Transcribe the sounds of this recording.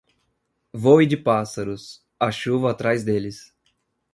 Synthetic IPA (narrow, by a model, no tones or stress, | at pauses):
vowid͡ʒɪpasɐɾʊs | aʃuvɐːt̪ɾajzd̪elɪs